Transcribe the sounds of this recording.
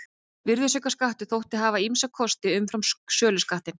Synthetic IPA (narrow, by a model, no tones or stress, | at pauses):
vɪɾðʏsœkaskaht̪ʏθowht̪ɪɦaːvaimsakʰɔst̪ɪʏmfɾamsœːlʏskaht̪ɪn